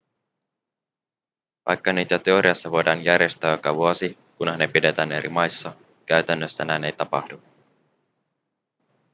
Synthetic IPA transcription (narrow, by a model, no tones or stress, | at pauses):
ʋɑ̰jkːɑniːt̪æt̪e̞o̞ɾiɑsːɑʋo̞jdɑːnjærjest̪æːjo̞kɑʋuosi | kunhɑnepide̞t̪æːne̞ɾʔḭmɑjsːɑ | kæyt̪ænːøsːænæːne̞jt̪ɑpɑ̰hdu